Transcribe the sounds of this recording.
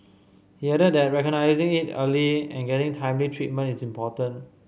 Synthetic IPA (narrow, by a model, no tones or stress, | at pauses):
hiədədɛt̚ɹɛkɔnaɪzɪ̃ŋitə̰liɛ̰̃nɡɛtɪ̃ŋtʰãjmlitʰɹit̚mə̃ntisĩmpɔtə̃n